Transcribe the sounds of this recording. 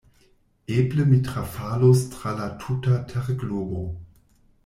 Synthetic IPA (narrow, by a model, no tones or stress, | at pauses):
ʔeːpləmitʁafaːlostʁalatʰutatʰɛʁɡloɡo